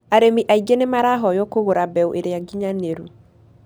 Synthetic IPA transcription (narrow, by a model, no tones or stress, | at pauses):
aɾemiʔaid͡ʒenemaɾaɦɔjɔkoɣoɾabɛwʔeɾeaɡiɲaneɾu